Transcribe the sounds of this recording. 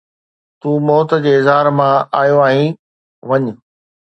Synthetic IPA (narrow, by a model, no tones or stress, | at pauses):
t̪uːmɔːt̪̆d͡ʑeːɪzɦaːɾmãaːjoaːɦĩ | ʋɐɲ̆